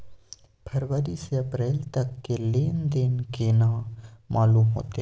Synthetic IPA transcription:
pʰɐɾʋəɾiseɐpɾeːlt̪ɐkːeleːnd̪ɪnkeːnãːmʔaːluːmɦo̰ːt̪e

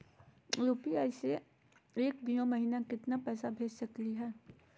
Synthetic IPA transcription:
ɾuːpiaːse | eːk̚bijõmɐɦiːnakɪt̪napɛːsabʱeːd͡ʒsɐkliɦɛː

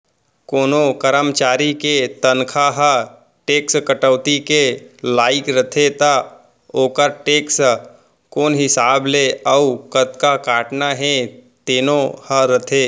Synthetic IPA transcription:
koːnokəɾəmt͡ʃaːɾiket̪ənkʰaɦə | ʈeːkskəʈəʋt̪ikelaːɪkɾɐt̪ʰet̪a | oːkəɾʈeːks | koːnɦɪsaːbleəukət̪kakaːʈnaɦẽ | t̪eːnõhəɾɐt̪ʰeː

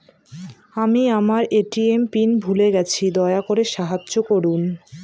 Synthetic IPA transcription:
amiamaɾeʈiempinbʱuleɡɛt͡ɕʰid̪ɔeakoɾeʃaɦadːd͡ʑokoɾun

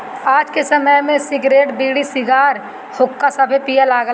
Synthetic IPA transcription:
aːd͡ʒkesəməjmẽsɪɡɾeːʈbiːɽisɪɡaːɾ | hʊkːasɐbʱepijalaːɡə

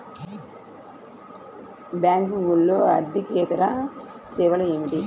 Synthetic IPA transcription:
bjaːŋkiŋɡulːoːɐ̰d̪ʱikeːt̪ɐɾa | seːʋɐlɐemiʈi

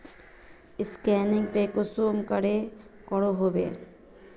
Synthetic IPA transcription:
ɪskɛːnɪ̃ŋɡpekosomkəɽe | kɔɽoɦobḛ

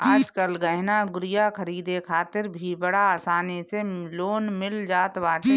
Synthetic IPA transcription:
aːd͡ʒkəlɡɐɦnaɡʊɾɪjakʰəɾiːd̪ekʰaːt̪ɪɾbʱibəɽaaːsaːneseloːnmɪld͡ʒaːt̪ʋaːʈ

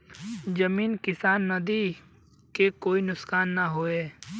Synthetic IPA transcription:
d͡ʒɐmiːnkɪsaːnːɐd̪i | kekoːinʊksxaːnːɐɦoːeː

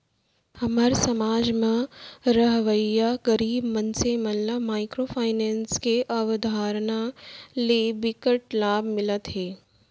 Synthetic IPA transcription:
hɐmaːɾesɐmaːd͡ʒmãɾɐɦʋəjːaɡɐɾiːbmɐnsemɐnlamaːɪkɾoːpʰaːɪnɛ̃ːnskeʔɐʋd̪ʱaːɾnalebɪkəʈlaːbʱmɪlət̪ɦɛː

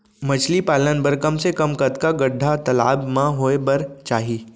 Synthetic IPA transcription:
mət͡ʃʰlipalənbəɾkəmsekəmkət̪kaɡəɖʱːat̪əla̰bmãɦoebəɾt͡ʃaɦi

